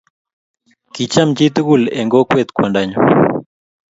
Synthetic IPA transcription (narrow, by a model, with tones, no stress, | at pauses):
ki˨t͡ʃa˦md͡ʒi˦t̪u˦ɡu˨lḛ˨ŋɡo˦kwe˨t̪̚kwa˨ndaɲo˨